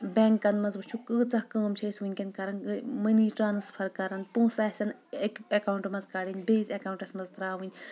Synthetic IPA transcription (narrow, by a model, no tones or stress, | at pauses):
bʲeŋkːɐnmɐzbɨt͡ʃʰukɨːt͡sɐhkəːmt͡ʃʰɐisʲʋinʲkʲen̚kɐɾɐnɨmɐniːʈɾaːnɨspʰɐɾkɐɾɐnpũːsɐsʲɐn | ekɐkauɳʈmɐzkɐɽinʲbeːzʲɐkawuɳʈɐsʲmɐzt̪ɾaːʋɨnʲ